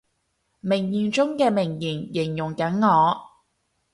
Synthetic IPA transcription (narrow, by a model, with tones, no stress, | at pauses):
mɪ˨˩ŋjiː˨˩nt͡ʃʊ˥ŋkɛː˧mɪ˨˩ŋjiː˨˩njɪ˨˩ŋjʊ˨˩ŋkɐ˨˥nŋɔː˨˧